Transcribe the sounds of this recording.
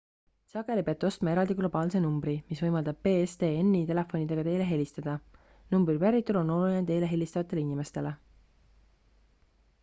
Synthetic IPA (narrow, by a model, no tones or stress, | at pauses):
sɑɡ̥e̞lʲipeɑt̪ːˑo̞st̪mɑe̞ɾɑld̪̥iɡ̥lo̞bɑːlse̞numbɾimisvɤjmɑld̪ɑb̥̚pe̞ːest̪e̞ːenːit̪e̞le̞fo̞nid̪̥e̞ɡ̥ɑt̪e̞jle̞ɦe̞lʲist̪ɑd̪̥ɑ | numbrivæɾit̪ːˑulo̞no̞lulinet̪e̞jle̞ɦe̞lʲist̪ɑvɑt̪ːˑe̞leinime̞st̪e̞le